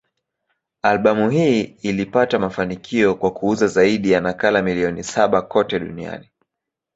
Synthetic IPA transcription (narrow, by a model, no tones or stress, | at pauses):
alɓamuɦiːilipatamafanikʰiɔkwakuuzazaiɗijanakalamiliɔnisaɓakɔtɛɗṵnia̰ni